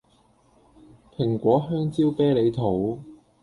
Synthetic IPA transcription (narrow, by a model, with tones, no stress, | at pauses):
pʰɪ˨˩ŋkʷɔː˨˥ɦœː˥ŋt͡siː˥wpɛː˥le˨˧jt̪ʰo˨˥w